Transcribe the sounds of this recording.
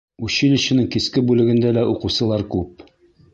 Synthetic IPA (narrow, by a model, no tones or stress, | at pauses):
ʉɕilɘ̆ɕɘ̆nɘŋkiskɘbʉlɘ̆ɡɘ̆nd̪ælæʔuqŭwsɤ̆lˠɑɾkʉp̚